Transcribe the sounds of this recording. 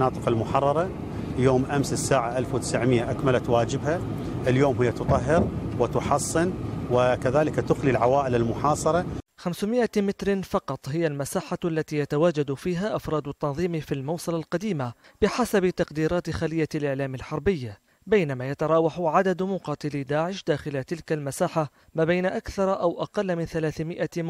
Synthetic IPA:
ɑːt̪ˤɨqalmʊħɑrˤːɑɾˤɑ | ljoːmʔamsɪsːaːʕaʔalfwɪt̪ɪsʕmɪjːaʔakmalat̪waːd͡ʒɪbha | ʔɪljoːmhɪjːat̪ʊt̪ˤɑɦːɪɾwɪt̪ʊħɑsˤːɨnwɪkaðaːlɪkat̪ʊxlilʕawaːʔɪlɪlmʊħɑːsˤɑɾˤɑxamsʊmɪʔamɪt̪ɾɪfɑqɑt̪ˤhɪjːalmasaːħaʔalːat̪ijat̪awaːd͡ʒad̪fiːɦaʔafɾˤɑːd̪ʊt̪ːɑnðˤiːmfilmɑwsˤɨlalqad̪iːmab̥ɪħasabt̪ɑqd̪iːɾɑːt̪xalɪjːalʔɪʕlaːmɪlħɑɾˤbɪjːa | bajnamajat̪ɑɾˤɑːwɑħʕad̪ad̪mʊqɑːt̪ɪlid̪aːʕɪʃd̪aːxɪlat̪ɪlkalmasaːħa | maːbajnaʔakθɑɾˤʔawʔɑqɑlːmɪnθalaːθmɪʔa

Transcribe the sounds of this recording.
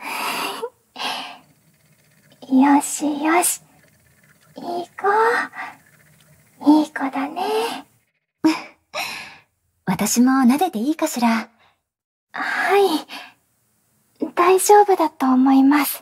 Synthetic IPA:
joɕijoɕi̥ | iːko | iːkod̪ane | βat̪aɕimo̞nad̪e̞d̪e̞iːkaɕiɾa | hai | d̪̥aiʑo̞ːbɯ̟d̪at̪o̞ːmo̞imasɨ̥

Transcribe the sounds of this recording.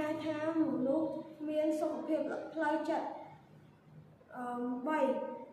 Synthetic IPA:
aɛt̪ʰaːmonʊhmiənsokːapʰiəp̚pʰləwt͡ɕət̪̚ | ʔəɓəj

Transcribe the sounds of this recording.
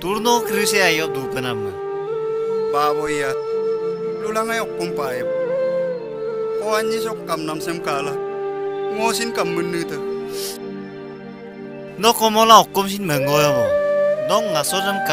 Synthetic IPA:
t̪uɾnɔkɾɯseajɔʔ̚dupənamːa | baːbɔjjat̪̚ | lulaŋajɔkːɔmpajeb | kɔaɲis̬ɔkkːamnamsemkala | ŋosinkamːɯnːɯt̪ə | nɔkɔmɔlaɔkːɔms̬inməŋojabɔnɔŋasɔnamka

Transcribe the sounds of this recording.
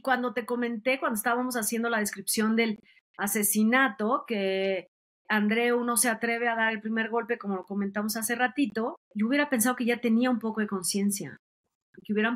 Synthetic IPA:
kwand̪o̞t̪e̞ko̞mẽ̞nt̪e̞kwand̪oest̪aβamo̞sasje̞nd̪o̞lað̞eskɾipsjo̞nd̪e̞l | ase̞sinat̪o̞ke̞ | and̪ɾe̞uno̞se̞at̪ɾe̞β̞e̞aðaɾe̞lpɾime̞ɾɣo̞lpe̞ko̞mo̞loko̞mẽnt̪amo̞s̬ase̞rat̪it̪o̞ | luβje̞ɾape̞ns̬aðo̞keʝat̪e̞niaumpo̞ko̞ð̞e̞ko̞nsje̞nsja̰ | keuβjeɾa

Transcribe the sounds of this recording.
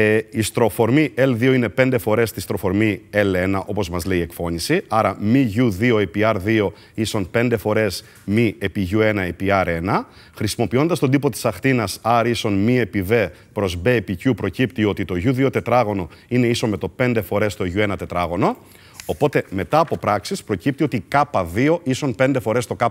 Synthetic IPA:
ist̪ɾo̞fo̞ɾmiʔe̞lðioine̞pe̞nd̪e̞fo̞ɾe̞st̪ist̪ɾo̞fo̞ɾmie̞le̞nɐʔo̞po̞zmɐzle̞iekfo̞ɲisiɐɾɐmiʝuðio̞epiɐɾðio̞ | iso̞npe̞nd̪e̞fo̞ɾe̞s | miepiʝue̞nɐepiɐɾe̞nɐ | xɾisimo̞pio̞nd̪ɐst̪o̞d̪ipo̞t̪i̥sɐxθtinɐsɐɾiso̞nmie̞pive̞ | pɾo̞zbe̞picupɾo̞cipt̪io̞t̪it̪o̞ʝuðio̞t̪e̞t̪ɾɐɣo̞no̞ine̞iso̞nme̞t̪o̞pe̞nd̪e̞fo̞ɾe̞st̪o̞ʝue̞nɐt̪e̞t̪ɾɐɣo̞no̞ː | po̞t̪e̞me̞t̪ɐːpo̞pɾɐksispɾo̞cip̚t̪io̞t̪ikɐpɐðioʔisonpe̞nd̪e̞fo̞ɾe̞st̪o̞kɐ

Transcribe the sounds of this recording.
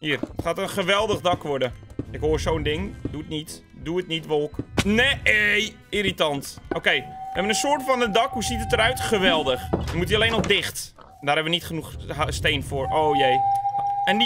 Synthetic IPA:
hiːərətχaːtənχəʋɛlˠdəɣdɑkʋʊdəɪkɦoərsoːndɪŋduətnit | duətnitʋolˠkneej | iɾitɑntowkejɛʋənənsʊːrtfɔnədɑkɦusitətəɾœɥtχəʋɛlˠdəxɛmutiəleːnɔfdɪxt | ndaːrɛpʋənitχənuxsteːnfʊːroːjeː | ɛn

